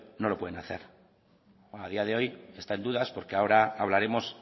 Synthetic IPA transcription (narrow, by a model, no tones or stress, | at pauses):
no̞lo̞pwenaθe̞̰ɾ | aðiað̞e̞o̞je̞st̪ae̞nd̪uðaspo̞ɾke̞ao̞ɾaaβlaɾe̞mo̞s